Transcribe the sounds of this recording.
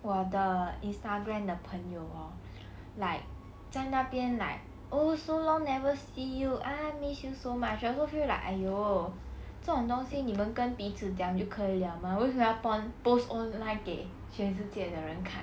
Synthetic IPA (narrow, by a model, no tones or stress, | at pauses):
wɔd̪əinst̪aɡɹamd̪əpʰəŋjoʊa | laɪk̚ | t͡saɪnapjɛnla̰ɪ | ʔosoʊlɔŋnɛvəsijuʔamisjusoʊmat͡ʃjasofila̰ʔjo | t͡sət͡sʊŋt̪ʊŋɕinimənkənpit͡sʰɹ̩t͡ɕjɑ̃ŋt͡ɕjokʰəiljɑʊmawɔkʰjaʊpɑŋpostɔ̃nlãɪ̃nkeɪ | ɕɥɛns̬̩t͡ɕjɛd̪əɻənkʰa